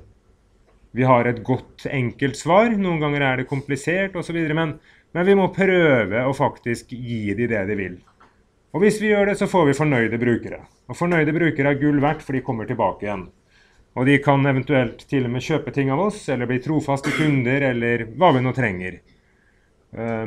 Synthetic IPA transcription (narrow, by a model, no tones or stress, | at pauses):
ʋɪɦɑɾɛt̪ɡɔt̪ːɛŋkəlt̪sʋɑːɾnuːənɡɑŋːəɾæɖɛkʰʊmplɪseːʈɔsɔʋiːd̪əɾəmɛn | mɛnʋɪmɔpʰɾøːʋəɔfɑkt̪ɪskjiːd̪ɪd̪ɛd̪ɪʋɪ̰l | ɔʋɪsʋɪjøːɖɛsɔfoːɾʋɪfɔɳœʏd̪əbɾʉːkəɾɛ̰ | ɔfɔɳœʏd̪əbɾʉːkəɾɛɡʉːlʋæʈːfɔɖɪkʰɔmːəʈɪlbɑːkəɪjɛnː | ɔd̪ɪkʰɑnɛʋənt̪ʉɛlt̪ʰːɪlːɔmeːɕøːpət̪ʰɪŋːɑʋɔsɛlːəɾbliːt̪ʰɾuːfɑst̪əkʉnd̪əɾɛlːəɾʋɑːʋɪnoːt̪ʰɾɛŋːəɾ